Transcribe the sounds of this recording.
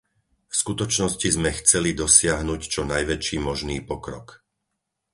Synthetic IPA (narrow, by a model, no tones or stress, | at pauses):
fskut̪ɔt͡ʃnɔscizmɛxt͡sɛlid̪ɔsɪaɦnuct͡ʃɔnajʋɛt͡ʃiːmɔʒniːpɔkɾɔk